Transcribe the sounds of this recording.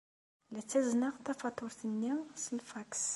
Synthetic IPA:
læt͡sːæznəʁt̪æfɑt̪ˤʊɾθənːiʁsəlfaks

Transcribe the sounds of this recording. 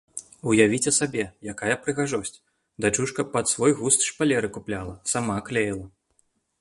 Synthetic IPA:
ujavʲit͡sʲɐsabʲɛjakajɐpɾɨɣaʐɔsʲt͡sʲ | d̪at͡ʂuʂkɐpɐt̪svɔjɣust̪ʂpalʲɛɾɨkuplʲalˠɐsamaklʲɛjlˠɐ

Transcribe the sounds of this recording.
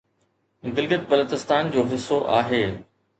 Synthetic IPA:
ɡɪlɡət̪̚bɐloːt͡ɕɪst̪aːnd͡ʑoːɦɪsːoʔaːɦeː

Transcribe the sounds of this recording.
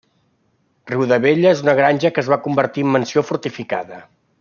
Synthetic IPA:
riwðəβeʎəezunəɣ̞ɾanʲʒəkəːzβakumbəɾt̪iəmːənsiofuɾt̪ifika̰ðə

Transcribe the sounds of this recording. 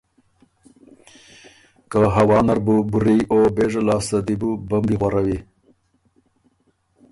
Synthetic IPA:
kəɦawɑːnaɾbubuɾiobeʐalɑːst̪ad̪ibubambiɣwaɾawi

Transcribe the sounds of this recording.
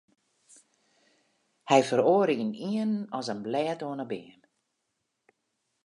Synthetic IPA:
hɛjfəɾoəɾiəniənɔsənblɛːtoənəbɪən

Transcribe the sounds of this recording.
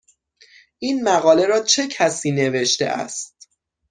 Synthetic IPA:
ʔiːnmæɣɒːle̞ɾɒːt͡ʃʰe̞cʰæsiːne̞ve̞ʃt̪e̞̰ʔæ̰st̪̚

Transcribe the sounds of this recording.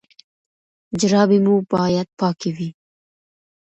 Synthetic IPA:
d͡ʒɾɑbemubɑjad̪̚pɑkewi

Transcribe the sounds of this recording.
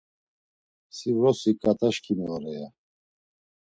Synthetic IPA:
sivɾɔsikʼat̪ʰʼaʃkʰʼimɛɣaɾɛja

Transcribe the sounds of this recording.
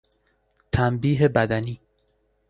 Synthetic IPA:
t̪ʰæmbiːɦe̞bæd̪æniː

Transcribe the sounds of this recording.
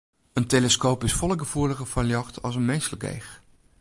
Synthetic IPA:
əntejləskowpɪsfɔlˠəɡəvuːɹləχəfɑljɑχtɑlˠs̬ənmejsələɡḛjχ

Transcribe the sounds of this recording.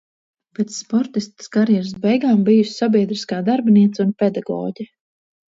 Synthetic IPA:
pet̪sːpɔɾt̪ist̪skaɾjɛɾsbɛjɡaːmbijussabʲiɛd̪ɾiskaːd̪aɾbniɛt̪sunpɛd̪aɡɔ̰ːɟɛ

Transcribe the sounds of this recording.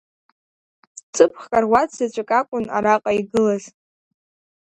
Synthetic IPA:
t͡sʰʼɨpʰχkʼarwʷat͡szat͡ʃʷʼakʼakʷʼʊna̰ɾaqʼaiɡɨlaz̥

